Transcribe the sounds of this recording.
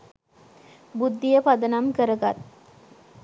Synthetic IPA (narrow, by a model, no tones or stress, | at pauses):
bud̪ːijəpad̪ənamkəɾəɡat̪̚